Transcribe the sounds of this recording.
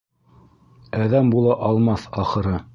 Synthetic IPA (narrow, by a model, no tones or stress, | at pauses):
æðæmbulˠɑʔɑlˠmɑθɑχɤ̆ɾɤ